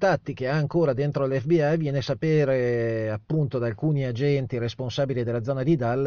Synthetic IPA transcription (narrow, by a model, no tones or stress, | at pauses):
t̪at̪ːik̟eaːŋkoːɾad̪ent̪ɾolɛfbiavjɛːnesapeːɾeapːunt̪od̪aːlkuːniad͡ʒɛnt̪iɾesponsaːbilid̪elad̪zɔːnad̪id̪alː